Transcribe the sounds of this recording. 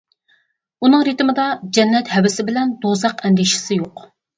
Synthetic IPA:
unɨŋɾit̪mɨd̪ɑd͡ʒɛnːɛt̪hɛwɪsɪbɪlɛnd̪ozɑqɛnd̪ɪʃɪ̥sɪjoq

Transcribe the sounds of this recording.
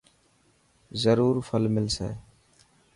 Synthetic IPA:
zəɾuːɾfʰəlmɪlsḛː

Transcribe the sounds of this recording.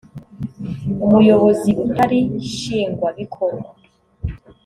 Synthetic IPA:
umujo̞βo̞ziutaɾiʃiːŋɡwaβikʰoɾɡwa

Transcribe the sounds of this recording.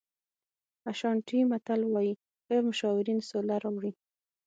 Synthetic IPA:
aʃɑɳʈimat̪alwɑji | ɣemʊʃɑwɪɾinsolaɾɑwɽi

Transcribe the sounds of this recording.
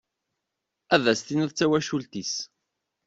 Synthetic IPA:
æðæst̪inəðt͡sːæwæʃult̪is

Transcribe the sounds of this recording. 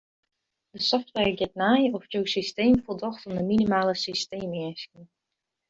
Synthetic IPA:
dəsɔftʋɛɹɡɪt̚najɔfjowsisteːmfolˠdɔxtəndəminimaːləsisteːmɪəskən

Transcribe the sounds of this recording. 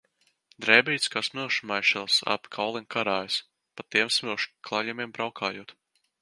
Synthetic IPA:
d̪ɾɛːbʲijt̪skaːsmilˠʃmajʃɛlˠsa̰pkʰawlˠinkaɾaːjs | pat̪ːiɛmsmʲilˠʃklˠaʎɛmiɛmbɾawkʰaːjuɔt̪

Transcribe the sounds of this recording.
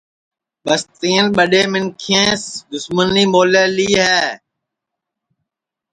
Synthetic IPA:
ɓəst̪eːnɓəɗeːmɪnkʰẽːsd̪ʊsməniːmoːleːliːɦɛː

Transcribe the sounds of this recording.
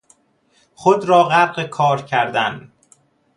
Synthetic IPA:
χod̪ɾɒːɣæɾɢekʰɒːɾcʰæɾd̪æn

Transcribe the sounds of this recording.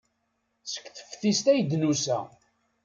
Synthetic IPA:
sə̥kθə̥fθist̪æjd̪nusæ̰

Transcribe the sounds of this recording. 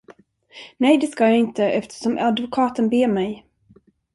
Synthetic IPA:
nɛjd̪ɛskajaɪnt̪əʔɛft̪ə̥ʂɔmʔad̪vʊkʰɑːt̪ənbeːmɛj

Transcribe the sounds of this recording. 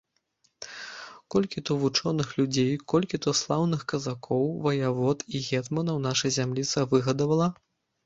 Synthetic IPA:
kɔlʲkʲit̪ɔvut͡ʂɔnɨxlʲud͡zʲejkɔlʲkʲit̪ɔslˠawnɨxkɐzakʰɔwvɐjavɔt̪iɣʲɛt̪mɐnɐwnaʂɐjzʲamlʲit̪sɐvɨɣɐd̪ɐvɐlˠɐ

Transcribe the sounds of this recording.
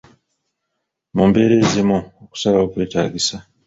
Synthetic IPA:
mumbe̞ɾe̞ːzimuoku̥salao̞kwe̞ːta̰ːɡisa

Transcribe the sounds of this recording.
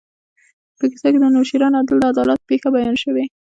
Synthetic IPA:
pəkɪ̥saked̪ənoʃiɾɑnad̪əld̪əad̪ɑlat̪pexabajɑnʃəwe

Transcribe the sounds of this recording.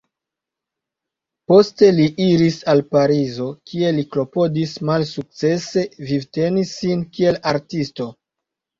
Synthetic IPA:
po̞ste̞liʔiɾisalpaɾizo̞kʰie̞liklo̞po̞dismalsuk̚t͡se̞se̞vivte̞nisːinkie̞laɾtisto̞

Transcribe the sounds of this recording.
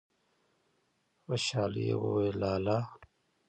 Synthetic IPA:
wɐɕaːlijḛwowelaːlaː

